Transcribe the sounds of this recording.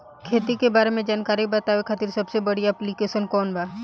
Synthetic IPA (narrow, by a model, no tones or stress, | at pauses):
kʰeːt̪ikebaːɾemẽd͡ʒaːnkaːɾibɐt̪aːʋekʰat̪iɾsɐbsebɐɽ̤iaːplikeːʃənkɔːnbaː